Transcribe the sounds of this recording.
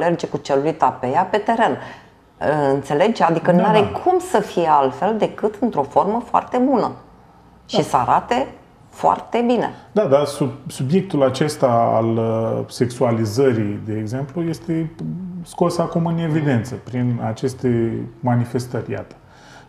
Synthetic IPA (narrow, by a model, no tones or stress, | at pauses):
le̞rd͡ʒe̞kut͡ʃelujt̪apejape̞t̪e̞ɾe̞n | ɨnt̪se̞le̞ɡt͡ʃad̪ikənuaɾekʰumsəfijealt̪fe̞ld̪e̞kɨt̪ɨnt̪ɾo̞fo̞rməfoa̰rt̪e̞bunə | ʃisəa̰ɾat̪e̞ | foa̰rt̪e̞binḛd̪ad̪asusubje̞k̚t̪ulat͡ʃe̞st̪aa̰lse̞ksualizəɾid̪e̞ːɡze̞mpluje̞st̪e̞sko̞sakumɨne̞vid̪e̞nt̪səpɾinat͡ʃe̞st̪e̞manife̞st̪ərʲja̰t̪ə̥